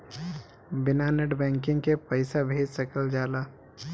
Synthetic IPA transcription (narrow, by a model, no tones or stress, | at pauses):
bɪnaːnəʈbɛ̃ːŋkɪ̃ŋɡkepəɪsabʱeːd͡ʒsɐkəld͡ʒaːlaː